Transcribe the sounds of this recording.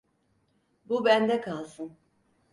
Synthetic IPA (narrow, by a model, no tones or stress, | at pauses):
bubænd̪ɛkʰalˠsɯn